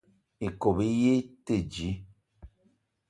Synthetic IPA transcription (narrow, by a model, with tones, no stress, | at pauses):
e˨ko˨bi˦je˦te˦˨d͡ʒi˨˦